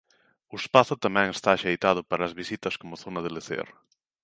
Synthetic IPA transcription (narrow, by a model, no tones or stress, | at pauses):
ʊespaθʊt̪amɛ̃ŋest̪aːʃejt̪að̞ʊpaɾaazβisit̪ɐskomoθonɐðeleθḛr